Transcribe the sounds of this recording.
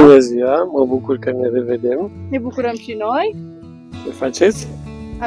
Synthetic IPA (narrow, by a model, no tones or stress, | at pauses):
neziaməbukuɾkɐnereved̪emnebukuɾɐmʃinɔj | mefat͡ʃes